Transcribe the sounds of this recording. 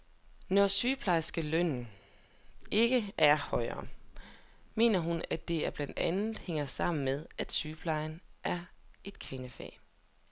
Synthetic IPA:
nɒsyːpʰlɑ̈ɪsɡ̥əløn̰n̩ | e̝ɡ̥əʔæɐhɒ̽ɪɐ̰ː | me̝̰ːnɐɦunæd̥e̝æɐb̥lænd̥ænð̩ˠheŋ̰ɐsɑ̈m̰n̩með̞ˠæd̥syːpʰlɑ̈ɪnʔæɐe̝d̥̚kʰʁenəfɛ̰ː

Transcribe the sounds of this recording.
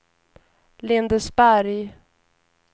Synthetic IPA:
lɪnd̪əsbæɾj

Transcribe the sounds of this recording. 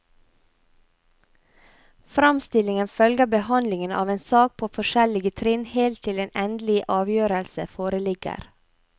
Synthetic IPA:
fɾɑmst̪ɪlɪŋənfœlɡəbəhɑnlɪŋənɑ̰ːʋeːnsɑːk̚pʰoːfɔʃɛlɪɡət̪ʰɾɪnheːlt̪ʰːɪleːnʔɛnd̪lɪʔɑːʋjøːɾəlsəfoːɾəlɪɡə̰ɾ

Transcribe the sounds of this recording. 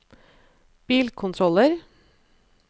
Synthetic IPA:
b̥iːlkʰʊnt̪ʰɾɔləɾ

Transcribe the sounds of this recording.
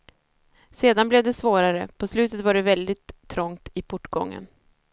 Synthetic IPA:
seːd̪anblɛvd̪ɛsvoːɾaɾəpʰɔslʉ̟ːt̪ət̪vaɖɛvɛld̪ɪt̪ʰːɾɔŋt̪ɪpʰɔʈːɡɔ̰ŋːə̰n

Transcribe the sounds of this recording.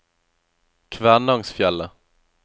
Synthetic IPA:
kʰvæːɳɑŋsfjɛlːə

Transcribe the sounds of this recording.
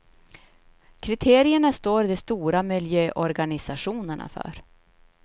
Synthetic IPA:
kʰɾɪt̪ʰeːɾɪəɳast̪oːɾɪd̪ɔst̪uːɾamɪljøːʔɔɾɡanɪsaɧuːnəɳa̰fœ̰ɾ

